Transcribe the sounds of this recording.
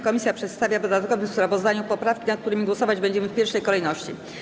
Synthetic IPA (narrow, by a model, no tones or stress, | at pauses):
kɔmʲisʲjapʂɛt̪st̪avʲjavd̪ɔd̪at̪̚kɔvɘmfspɾavɔzd̪aɲupɔpɾafkʲinat̪̚k̚t̪uɾɘmʲiɡwɔsɔvad͡ʑbɛɲd͡ʑɛmɘfpʲɛɾʂɛjkɔlɛjnɔɕt͡ɕḭ